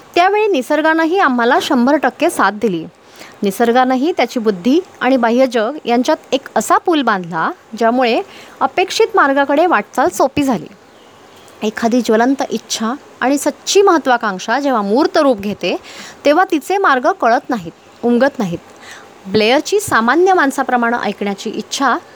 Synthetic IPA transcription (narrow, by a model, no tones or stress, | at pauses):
t̪jaʋeɭiːnisəɾɡanaɦiːam̤ːalaɕəmbʱəɾʈəkːesat̪̚d̪iliː | nisəɾɡanaɦiːt̪jat͡ɕiːbud̪ʱːiaɽ̃ibaɦiəd͡ʑəɡjaɲt͡ɕjat̪ekəsapuːlbãnd̪ʱlad͡ʑjamuɭeəpekʂiːt̪maɾɡakəɽeʋaʈ̚t͡salsopiːd͡zʱalḭː | ekʰːad̪iːd͡ʑʋələnt̪əʔitːɕʰa | aɽ̃isətːɕʰiːməɦət̪ːʋakãŋʂad͡ʑeʋ̤amuːɾt̪əɾuːp̚ɡʱet̪et̪eʋ̤at̪it͡semaɾɡəkəɭət̪naɦit̪ | umɡət̪naɦiːt̪ | blejəɾt͡ɕiːsamanjəmansapɾəmaɽ̃ə̰ʔə̰jkɳjat͡ɕiːʔitːɕʰa